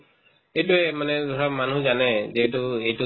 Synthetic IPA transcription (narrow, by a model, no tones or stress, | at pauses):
ejtuɛmanɛzʱɔɹamanuzanɛzɛtʊejtʊ